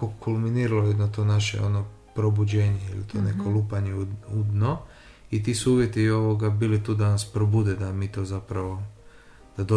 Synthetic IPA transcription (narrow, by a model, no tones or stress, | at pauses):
okulminiːɾalojed̪not̪o̞ːnaʃḛo̞̰no | pɾo̞bud͡ʑe̞ːɲeilit̪ʰo̞ne̞kolˠupaɲeuud̪no | it̪̬isuuːʋjet̪iːo̞ʋoɡabiːlit̪uːd̪anaspɾobud̪ed̪amiːt̪o̞ːzapɾaʋo̞ | d̪̥ad̪o